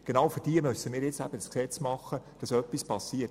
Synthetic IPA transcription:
ɡ̥enɑwfyɾd̥iəmʏsəmiːɾjɪt͡sæb̥ədəsksɛt͡smɑχːəd̥ɑsœpːispɑsiːət

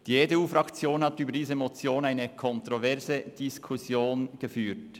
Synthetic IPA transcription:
d̥iːedeuːfrɑkt͡sjoːnhɑtyːbədiːzəmot͡sjoːnaɪnəkʰɔntʁovɛʁzəd̥iskʰusjoːnɡ̥əfyːɾt

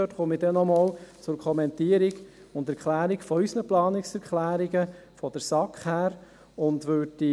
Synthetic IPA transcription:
øtχʊmidɛnːɔmoːlt͡sʊɾkʰɔmɛnt̪iəɾiɡ | ʊndɛɾkʰlæːɾiɡfɔysnəplɑːnɪksɛɾkχlæːɾiɡə | fɔd̥̪əɾsɑkχhæːɾ | ʊnd̪ʋød̥i

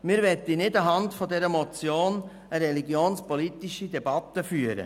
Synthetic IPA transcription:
mɪɾʋɛtːinɪdɑɦɑndfɔdɛɾəmɔt͡sjoːn | əɾɛliɡjoːnspɔlitiʃidɛbɑt̪ːəfyəɾə̰

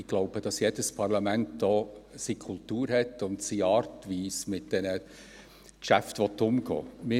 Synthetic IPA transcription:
ɪɡ̥lɔʊb̥əd̥ɑsjɛdəspʰɑɾlɑmæntdɔːsikʰʊltuːɾɦɛtːʊntsiɑːɾtʋiːsmɪt̚d̥ɛnə | kʃæftʋɔt̪ːʊmɡɔ̰ːmɪ

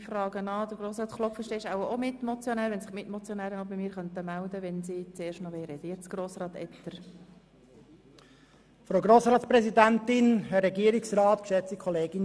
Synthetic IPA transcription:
frɑːɡ̥ənɑːd̪əɾɡɾoːsrɑːt̪klɔfəʃteːɪʃaʊəomɪt̪mɔt͡sjɔnæːɾʋɛnsɪχmɪtmɔt͡sjɔnæːɾənɔbimiːɾχœnt̪əmæld̪əʋɛnsit͡seːɾʃtnɔʋɛːɾɛdɛt͡sɡ̥roːsɾɑːt̪ɛ̰t̪ːəɾ | fɾoʊɡɾoːsɾɑːtspɾɛsidænt̪ɪnɦɛɾɛɡiəɾɪksɾɑːt̪kʃɛt͡sikʰɔleːɡ̥ɪn

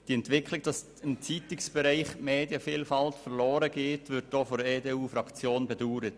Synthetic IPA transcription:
d̥iɛntvɪkʰlɪk̚d̥ɑs | ɪmt͡sitɪksb̥ɛɾiɪχmeːdjəfiːlfɑltfɛɾloːɾəɡeːtvʏɾt̚d̥oːfɔɾeːdeːuːfɾɑkt͡sjoːnbɛduːɾət

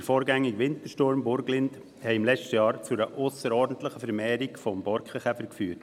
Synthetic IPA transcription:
əɾfɔːɾɡæŋːiɡʋɪnt̪əʃtʊɾmbʊɾɡlɪnt | hɛɪɪmlɛt͡st͡ʃtəjɑːɾt͡sʊɾəʔʊsəɾɔɾdən̩t̪ləχəfɛɾmɛːɾikfɔmbɔɾkχəχɛfəɾkfyːɾt

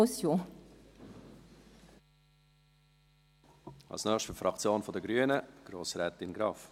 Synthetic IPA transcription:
sjo | ɑ̰lsnœːχʃtəfɾɑkt͡sjoːnfɔd̪əɡɾyːənəɡ̥ɾoːsɾɛːt̪ɪnɡɾɑːf

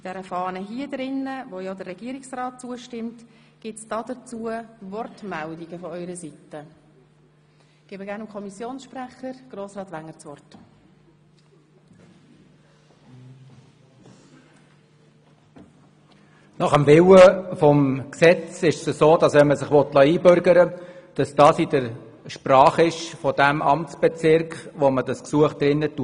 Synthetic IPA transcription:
d̥ɛɾəfɑːnəɦiədɾɪnːəvojɔdərːɛɡ̥iəɾiksrɑːt̚t͡suəʃtɪmt | ɡ̥ɪtsd̥ɑdət͡suːəvɔrtmældiɡəfɔœʏɾəsitə | ɡ̥eːbəɡæːɾnəmkʰɔmisjoːnsʃpræχəɾɡ̥roːsrɑːtʋæŋːət͡sʋɔrt | nɑχəmvɪwəfɔmksɛt͡sɪʃsəsoːd̥ɑsʋɛnməsɪχʋɔtlɑiːbʏɾɡəɾəd̥ɑsd̥ɑsidəɾ | ʃpɾɑːχɪʃfɔd̥æmɑ̰mt͡sb̥ɛt͡sɪɾkχʋomədɑsksuəχd̪̥ɾɪnːətu

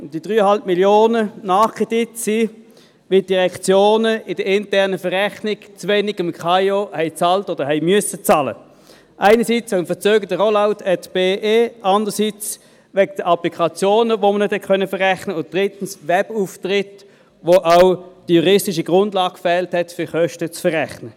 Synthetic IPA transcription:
d̥id̥ʁyːəhɑlp̚miljoːnənɑːχkʰʁedɪtsi | vid̥iʁɛkt͡sjoːnəɪdəɪntɛʁnəfəʁɛχnɪɡ̥t͡svɛnɪɡɪmkχajohɛɪt͡sɑltod̥əhɛɪmyəsət͡sɑlə̰ | ʔaɪnəsiːt͡sʋɛɡmfət͡søːɡəd̥əʁɔlaʊtʰɛtb̥eːʔeːʔɑndəsit͡s | ʋɛɡ̚d̥əʔɑplikʰɑt͡sjoːnəʋomənɛthɛtkʰœnəfəʁɛχnəʊnt̚d̥ʁɪtn̩svɛb̥uːftʁɪt | ʋoʔaʊd̥ijuʁɪstɪʃ̬iɡʁʊndlɑːɡ̥fɛːlthɛtfʏχœʃtət͡sfəʁɛχnə

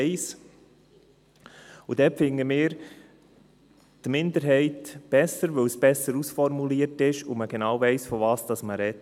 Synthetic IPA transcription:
ɪs | ud̥̪ɛpfɪŋːəmɪːɾ | d̥mɪnd̪əɾɦɛɪtb̥ɛsəɾʋɵwsb̥ɛsəɾusfɔɾmuliəɾtɪʃuməɡ̥enɑːwvɛɪsfɔvɑːsd̥ɑsməɾɛt

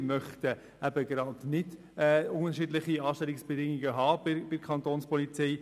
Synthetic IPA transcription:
mœχtə | æbəɡɾɑːdnɪd | ɛːʊnəɾʃiːdlɪχiɑːʃtɛlɪksb̥ɛdɪŋiɡəɦɑːbɪb̥ɪkʰχɑnt̪oːnspɔlit͡sɛj

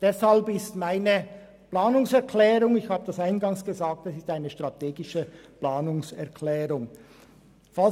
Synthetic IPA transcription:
d̥ɛshalbɪstmaɪnə | plaːnʊŋsɛɐkʰlɛːʁʊŋɪçhaːbədasaɪnɡɑŋsɡ̥əzaːk̚tɛsɪstaɪnəʃtʁ̥atʰeːɡɪʃəplaːnʊŋsɛɐkʰlɛːʁʊŋ | fa

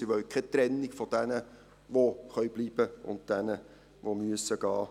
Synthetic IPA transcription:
ɪʋœwkʰɛt̪ɾɛnːiɡfɔd̥ɛnə | ʋoχœʏbliːbəʊ̰nt̚d̥ɛnə | ʋomyəsːəɡ̥ɑː

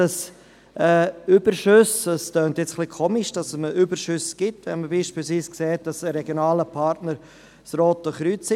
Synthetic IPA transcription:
d̥ɑs | ʔɛːyb̥əɾʃʏsdɑstøːntjɛt͡sχlikʰoːmiʃd̥ɑsməʔybəɾʃʏsɡ̥ɪtʋɛnməbiːʃpiːlsviːskseːt̚d̥ɑsəɾɛɡjonaːləpʰɑɾtnəɾ | sɾoːtːɔχɾyːt͡sɪ

